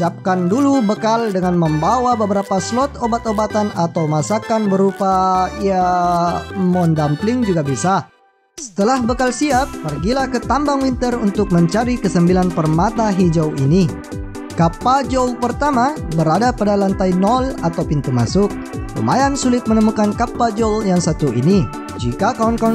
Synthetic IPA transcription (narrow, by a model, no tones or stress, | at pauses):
ap̚kandulubəkaldəŋanməmbawabəbəɾapaslɔt̪obat̪obat̪anat̪awmasakanbəɾupaija | mɔndamplɪŋd͡ʒuɡabisa | sə̥t̪əlahbəkalsiapːərɡilahkət̪ambaŋwint̪ərunt̪ʊk̚məɲt͡ʃaɾikəsəmbilanpərmat̪aɦid͡ʒawini | kapad͡ʒolpərt̪amabəɾadapadalant̪ainɔlat̪awpint̪uma̰sʊk̚ | kṵmajansulɪt̪̚mənəmukankapad͡ʒɔljaŋsat̪uʔḭni | d͡ʒikakaɔnka